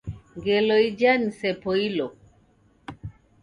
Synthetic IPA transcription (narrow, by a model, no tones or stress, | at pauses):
ŋɡɛloid͡ʒanisɛpoilo